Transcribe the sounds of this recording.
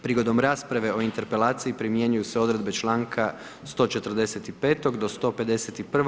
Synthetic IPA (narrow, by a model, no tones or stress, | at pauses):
pɾiɡo̞d̪o̞mɾaːspɾaʋe̞o̞int̪e̞ɾpe̞laːt̪sijipɾimje̞ɲujuse̞o̞d̪ɾe̞d̪be̞t͡ʃlˠaːŋkʰa | st̪o̞ːt͡ʃe̞t̪r̩d̪e̞set̪ipe̞ːt̪o̞ɡd̪o̞st̪o̞pe̞d̪e̞set̪ipr̩